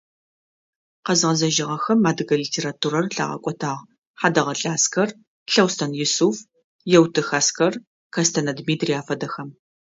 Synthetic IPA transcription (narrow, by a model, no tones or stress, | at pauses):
qɐzʁɐzɐʒɪʁɐxɐmːaːdɨɡɐlitʰeːɾaːtʰuɾɐrɬa̰ːʁɐ̰kʷʼɔtʰaːʁ | ħaːdɐʁɐɬʼaːskʰɐr | ɬɐwstʰɐnjʊsuf | jɛwtʰɨxaːskʰɐr | kʰɐstʰɐnɐdmiːtʰriaːfɐdɐxɐm